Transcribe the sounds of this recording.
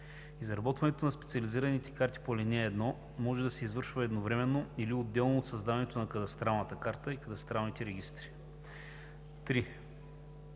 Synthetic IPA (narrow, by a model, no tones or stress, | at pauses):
izɾɐbɔt̪vɐnɛt̪onɐspɛt̪siɐliziɾɐnit̪ɛ̥kaɾt̪i̥polinʲɛːd̪nɔ | mɔʒɛd̪ɐsɛizvɤɾʃvəɛd̪novɾɛmɛnːoiliod̪ːɛlˠnoːt̪sɐzd̪avɐnɛt̪onɐkɐd̪ɐst̪ɾalˠnət̪əkaɾt̪əikɐd̪ɐst̪ɾalˠnit̪ɛɾɛɡ̟ist̪ɾi̥ | t̪ɾi